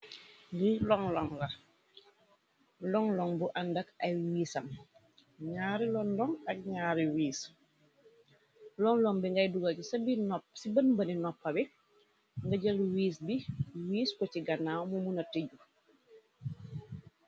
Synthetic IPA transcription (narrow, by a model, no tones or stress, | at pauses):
lilɔŋlɔŋlɐ | lɔŋlɔŋbuʔɐndɐkɐjwiːsɐm | ɲaːɾilɔndɔŋɐk̚ɲaːɾiwiːs | lɔŋlɔŋbiŋɡɐjduɡacisɐbinɔpsibɐnbɐninɔpːɐbi | ŋɡɐɟɐlwiːsbiwiːskɔtiɡɐnːawmumunɐtiɟu